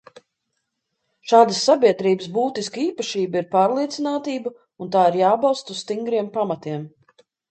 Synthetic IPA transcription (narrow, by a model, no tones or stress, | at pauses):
ʃaːd̪əsːabiɛd̪ɾiːbəsbuːt̪iskiːpaʃiːbəiɾpaːɾlˠiɛt̪sinaːt̪iːbə | unt̪̬aːiɾjaːbawˠst̪usst̪iŋɡɾiɛmpamɐt̪iɛm